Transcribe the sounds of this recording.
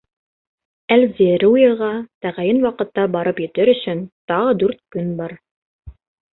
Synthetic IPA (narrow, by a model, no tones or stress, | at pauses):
ælzeɾuuɤ̆ʁɑt̪æʁæjɘnwɑqɤ̆t̪ːɑbɑɾɤpjɵ̆t̪ɘɾɵ̆sɵnt̪ɑʁɤd̪ʉɾt̪̚kɵnbɑɾ